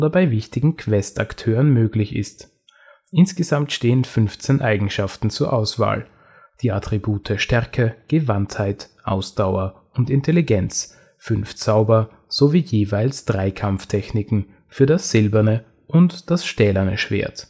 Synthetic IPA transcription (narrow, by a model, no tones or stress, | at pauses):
ʔoːdɐbaɪvɪçtɪɡŋ̩kʰv̥ɛstaktʰøːʁənmøːɡlɪçɪ̰st | ʔɪnsɡ̥əzamtʃteːənfʏnft͡sɛnʔaɪɡŋ̩ʃaftn̩t͡suːɐʔaʊsv̥a̰ːl | d̥iːʔatʁ̥ibuːtʰəʃtɛɐkʰəɡ̥əvanthaɪtʔa̰ʊsd̥aʊɐ | ʊntɪntʰeliɡɛnt͡s | fʏnft͡saʊbɐ | z̥oviːjeːvaɪlsd̥ʁaɪkʰamftʰɛçnɪkŋ̩ | fyːɐɾasz̥ɪlbɐnə | ʔʊntd̥asʃtɛːlɐnəʃv̥ḛːɐt